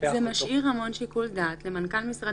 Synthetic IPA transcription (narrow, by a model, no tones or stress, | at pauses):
zemaʃʔiʁhamo̞nʃikuld̪aːt̪le̞mankalmisʁa